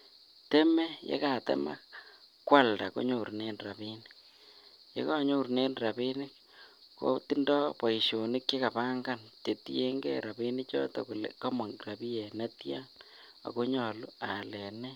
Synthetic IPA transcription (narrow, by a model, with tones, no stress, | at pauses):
te˦mɛ˦jḛ˦ka˨tɛ̰˦ma̰˦kːwa˦lda˨ko̰˦ɲo˨rne˦nra˨pi˦ni | jḛ˦ka˦ɲo˦˨ɾne˦nɾa˨bi˦nɪ˦k | ko̰˦ti˦ndɔ˦pa˨i˨ʃo˨nɪ˦kje˦ka˨pa˦ŋɡa˦˨nt͡ʃe˨ti˦e˦ŋɡḛ˦ɾa˨bi˦nɪ˦t͡ʃɔ̰˦tɔ̰˨ku˨lḛka˦ma˨ŋra˨bi˦jɛ˨ne˦tja˦n | a̰˨ko˦ɲɔ˨lu˦a˨lɛ˨nɛ˦